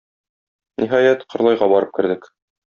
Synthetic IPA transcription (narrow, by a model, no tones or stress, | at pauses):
niɦɑjæt̪qɤ̆ɾlˠɑjʁɑbɒɾɤp̚kɘ̆ɾd̪ɘk